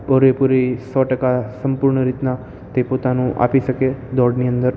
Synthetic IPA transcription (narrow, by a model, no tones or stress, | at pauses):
pɔɾʋepuɾisɔʈəkasəmpuɾɳəɾit̪na | t̪epot̪anũʔa̰piʃəked̪ɔɽniənd̪əɾ